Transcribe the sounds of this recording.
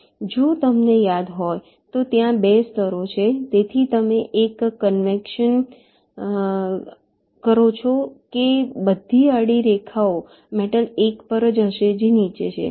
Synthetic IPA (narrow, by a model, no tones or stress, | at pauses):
d͡ʒot̪əmnejad̪ɦoj | t̪ot̪jãbest̪əɾot͡ʃʰet̪et̪ʰit̪əmeʔekːənʋekʃən | kəɾot͡ʃʰɔkebəd̪ʱːiaɽiɾekʰao | meʈəlekpəɾəd͡ʒɦəʃed͡ʒenit͡ʃḛt͡ʃʰḛ